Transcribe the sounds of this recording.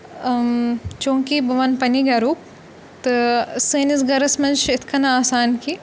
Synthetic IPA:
t͡ʃõːŋkibɐʋɐnpɐniɡɐɾuːk̚ | t̪ɨseːnisɡɐɾɐsmɐnʃɪt̪ʰkɐnaaːsaːnkiː

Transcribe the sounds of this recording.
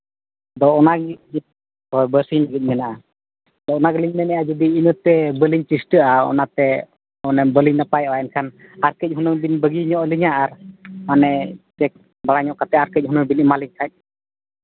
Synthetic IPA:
d̪ɔɔnak̚d͡ʒi | hɔjbəɾsiɲlaɡitc̚mɛnaʔa | d̪ɔʔɔnakliɲmɛnɛʔad͡ʒud̪iːnət̪ɛbəliɲt͡ʃisʈəʔaɔ̰nat̪ɛ | ɔnɛbəliɲnapajɔajɛnkʰan | aɾkəc̚ˀɦunəŋbinbəɡiɲɔʔliɲaʔaɾmanɛt͡ʃɛk̚ | balaɲɔʔkat̪ɛaɾkəc̚ˀhɦunəŋbinimaliɲkʰac̚

